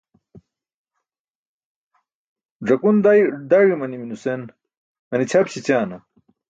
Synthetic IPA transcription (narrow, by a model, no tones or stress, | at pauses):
ʐɐkund̪ajɖ̪aɻimɐniminusen | mɐnit͡ɕʰɐbt͡ɕʰit͡ɕaːnɐ